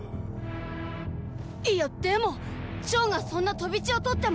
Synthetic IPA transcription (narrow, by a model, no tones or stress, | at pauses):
ijot̪ːemo̞ | t͡ɕo̞ːŋasõ̞nːat̪o̞bʲit͡ɕio̞t̪o̞t̪ːe̞m